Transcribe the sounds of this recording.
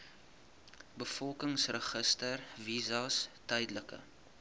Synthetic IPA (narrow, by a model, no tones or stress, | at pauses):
bəfɔlˠkəŋsrəχəstərvizɐstɛjdləkə̰